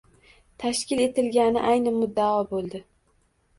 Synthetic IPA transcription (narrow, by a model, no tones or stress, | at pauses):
t̪ʰaʃkʲɪle̞t̪ɪlɡʲanɪ̰ʔajnɪmʊd̪ːaɒbolˠd̪ɪ